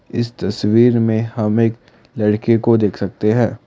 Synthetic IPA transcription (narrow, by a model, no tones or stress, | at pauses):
ɪst̪ɐswiːɾmẽhɐmeːk | lɐɽkekod̪eːkʰsɐk̚t̪eɦɛ̃ː